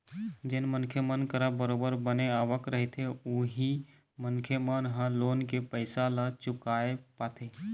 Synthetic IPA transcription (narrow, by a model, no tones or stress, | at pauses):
d͡ʒɪnmənkʰjəmənkəɾəbəɾoːbəɾbəneaːʋəkɾəɦet̪ʰeuɦi | mənkʰjəmənɦə̃loːnkepəɪsalat͡ʃʊkaːepaːt̪ʰeː